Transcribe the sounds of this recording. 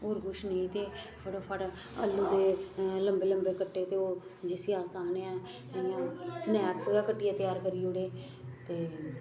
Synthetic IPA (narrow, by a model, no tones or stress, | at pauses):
oːɾkʊʃneit̪eːpʰəɽpʰəʈ | ə̰lːuːd̪eːləmbeːləmbeːkəʈːeːt̪eːoː | d͡ʒɪsiːaːsaːneːɛ̃ː | ɪjãːsənɛːksɡaːkəʈːɪjãːt̪ɪjaːɾkəɾiːʊɽeː | t̪eː